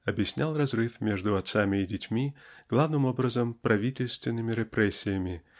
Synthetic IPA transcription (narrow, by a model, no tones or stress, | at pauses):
ɐbjɪsʲnʲalˠrɐzrɨfmʲeʐd̪ʊɐt̪samʲɪːdʲɪtʲmʲiɡ̥lˠavnɨmo̞bɾəzəmpɾɐvʲitʲɪlʲst̪vʲɪnːɨmʲɪɾʲɪpɾɛsʲːɪjəmʲɪ